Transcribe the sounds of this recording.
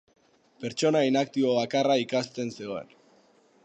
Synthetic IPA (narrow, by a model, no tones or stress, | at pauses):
pe̞ɾt͡ʃo̞nainakt̪iβo̞βakaraikast̪e̞nseɣo̞ḛn